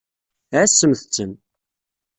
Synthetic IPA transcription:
æsːəmθət͡sːəm

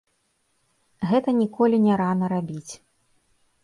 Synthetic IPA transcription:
ɣɛt̪ɐnʲikɔlʲinʲɛɾanɐɾabʲit͡sʲ

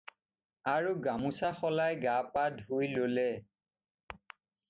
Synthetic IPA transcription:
aɹuɡamusaxɔlajɡapadʱɦujlolɛ

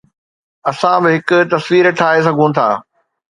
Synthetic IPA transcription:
ɐsãbɪɦɪkʊ̆t̪ɐsʋiːɾʈʰaːes̬ɐɡʱũt̪ʰa̰ː

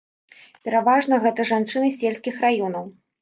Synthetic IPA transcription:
pʲɛɾavaʐnɐɣɛt̪ɐʐant͡ʂɨnɨsʲelʲsʲkʲixrajɔn̪ɐw

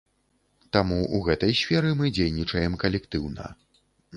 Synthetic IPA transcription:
t̪amuʔuɣɛt̪ɐjsʲfʲɛɾɨmɨd͡zʲejnʲit͡ʂɐjɛmkɐlʲɛkt̪ɨwnɐ̰

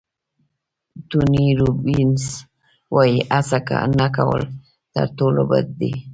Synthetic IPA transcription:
t̪uniɾubins | wajiʔasaka̰nakawə̰l | t̪a̰ɾt̪olobət̪d̪i

